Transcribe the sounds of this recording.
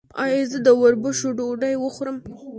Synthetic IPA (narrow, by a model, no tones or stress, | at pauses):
ɑ̰jɑzəd̪əwaɾbəʃoɖoɖajwəxoɾəm